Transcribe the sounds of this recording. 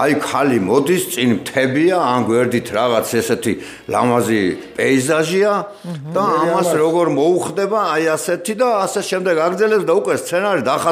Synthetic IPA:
ajkʰalimɔd̪ist̪sʼinmt̪ʰɛbiaːnɡwɛɾd̪it̪ʰɾaʁat̪sʰɛsɛt̪ʰi | la̰mazipʼɛizaʒia | d̪̥aːmasɾɔɡɔɾmɔuχd̪ɛbaːjasɛt̪ʰid̪aːsɛʃɛmd̪ɛɡaɡɾd̪zɛlɛpsd̪aukʼwɛst̪sʰɛnaɾid̪aχa

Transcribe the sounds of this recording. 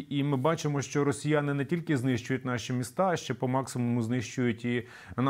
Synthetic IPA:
imɪbɑt͡ʃɪmɔʃt͡ʃɔɾɔsʲɪjanɪnɛtʲilʲkɪznɪʃt͡ʃʊjʊt̚ʲnɑʃimʲist̪ɑʃt͡ʃɛpɔmɑksɪmʊmʊznɪʃt͡ʃʊjʊtʲi | n

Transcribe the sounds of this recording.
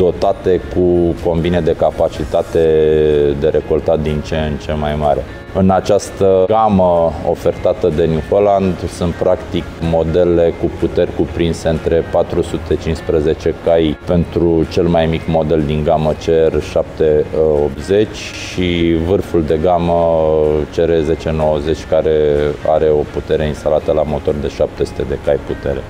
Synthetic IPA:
d̪o̞t̪at̪e̞kuko̞nvined̪e̞kapat͡ʃit̪at̪e̞d̪e̞ɾʔe̞ko̞lt̪at̪̚d̪int͡ʃent͡ʃe̞majmaɾe̞ | ɨnat͡ʃast̪əɡaməo̞̰fe̞rt̪at̪əd̪e̞njuholand̪sunt̪̚pɾakt̪ikmo̞d̪e̞le̞kuput̪e̞rʲkupɾinse̞ɨnt̪ɾe̞pat̪ɾusut̪e̞t͡ʃinspɾəze̞t͡ʃe̞kajpe̞nt̪ɾut͡ʃe̞lmajmikmo̞d̪e̞ld̪iŋɡamət͡ʃerʲʃap̚t̪eop̪ze̞t͡ʃʲ | ʃivɨrfuld̪e̞ɡamət͡ʃe̞ɾe̞ze̞t͡ʃe̞no̞wəze̞t͡ʃʲkaɾe̞a̰ɾe̞o̞put̪e̞ɾe̞inst̪alat̪əlamo̞t̪o̞rd̪e̞ʃap̚t̪e̞su̥t̪e̞d̪e̞kajput̪e̞ɾe̞

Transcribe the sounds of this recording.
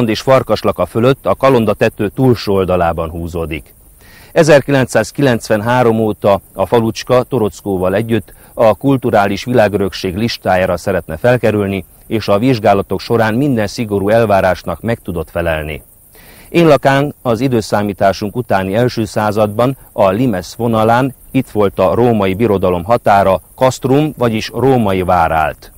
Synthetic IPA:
nd̪eːʃfɒrkɒʃlɒkɒfø̞løt̪ːɒkɒlo̞nd̪ɒt̪ɛt̪øːt̪uːlʃold̪ɒlaːbɒnɦuːzoːd̪ik | ɛzɛrkilɛnt̪saːskilɛnt̪sʋɛnɦaːɾo̞moːt̪ɒɒfɒlut͡ʃkɒt̪o̞ɾo̞t̪skoːvɒlɛɟːyt̪ː | ɒkult̪uɾaːliʃʋilaːɡø̞ɾø̞kʃeːɡliʃt̪aːjaːɾɒsɛɾɛt̪nɛfɛlkɛɾylni | eːʃɒʋiʒɡaːlɒt̪o̞kʃo̞ɾaːnmind̪ɛnsiɡo̞ɾuːɛlvaːɾaːʃnɒkmɛk̚t̪ud̪o̞t̪fɛlɛlnḭ | eːnlɒkaːnɒzid̪øːsaːmiːt̪aːʃuŋkut̪aːniɛlʃøːsaːzɒd̪bɒnɒlimɛsʋo̞nɒlaːnit̪ʋo̞lt̪ɒroːmɒjibiɾo̞d̪ɒlo̞mɦɒt̪aːɾɒkɒst̪rumvɒɟiʃroːmɒjivaːɾa̰ːlt̪

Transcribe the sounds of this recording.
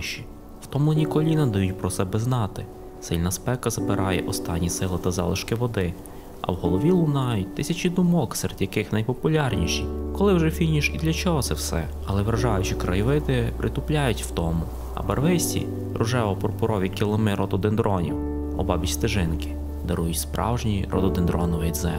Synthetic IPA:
ʃi | w̥t̪ɔmlˠɪnʲikɔlʲinɐd̪ɐjutʲpɾɔsɛbɛznɑt̪ɪ | sɪlʲnɐspɛkɐzɐpɪɾʔɑjɛʔɔst̪ɑnʲːisɪlˠɪt̪ɐzɑ̰lˠɪʃkɪʋɔd̪ɪ | ɐ̰wɦɔlˠɔʋʲilˠʊnɑjʊt̚ʲt̪ɪsʲɐt͡ʃid̪ʊmɔkseɾed̪ʲjɐkɪxnɐjpɔpʊlʲɑrnʲiʃikɔlˠɪwʒɛfʲinʲiʃid̪lʲɐt͡ʃɔɦɔt̪sɛwsɛ̰ | ɐlˠɛʋɾɐʒɑjʊt͡ʃɪkɾɐjɪʋɪt̪ɪpɾʔɪt̪ʊplʲajʊtʲwt̪ɔmʊ | ɐ̰bɐ̰rʋɪsʲtʲḭ | ɾʊʒɛʋɔpɔrpʊɾɔʋʲikʲilˠɔmɪɾʔɔt̪ɔd̪ɪnd̪ɾɔnʲḭw | ɔbɑbʲit͡ʃʲst̪ɪʒɪnkɪ̥ | d̪ɐɾujʊtʲspɾɑ̰wʒnʲiɾʔɔ̰d̪ɔd̪ɪnd̪ɾɔnɔʋɪd̪zɛ

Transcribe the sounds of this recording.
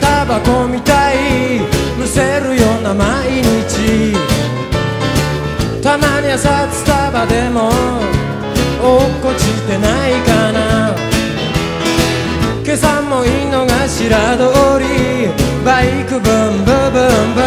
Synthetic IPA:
t̪abakomit̪aibɯseɾɯjonamaiɲit͡ɕi | t̪amaɲiasatɯ̥t̪abad̪emo | okːot͡ɕit̪enaikana | kesamːɔinːɔŋaɕiɾad̪ooɾi | baikɯbɯm̩bɯbɯmb

